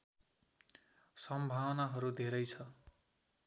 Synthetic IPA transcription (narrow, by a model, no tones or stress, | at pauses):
sʌmbʱawnaɦʌɾud̪ʱeɾʌjt͡sʰʌ